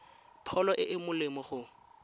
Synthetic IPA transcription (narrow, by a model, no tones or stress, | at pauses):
pʰɔlɔʔɪʔɪmʊlɪmɔχʊ